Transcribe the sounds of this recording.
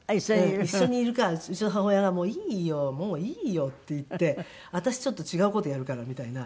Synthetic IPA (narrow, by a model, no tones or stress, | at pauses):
iõiɕːo̞ɲ̟iːɾɯ̟kaɯt͡ɕionɦaɦo̞jaɡamo̞ːiːjomo̞ːiːjo̞t̪ːe̞it̪ːe̞ | at̪aɕi̥t͡ɕo̞t̪ːo̞t͡ɕiɡaɯ̟ko̞t̪o̞jaɾɯ̟kaɾamʲit̪aina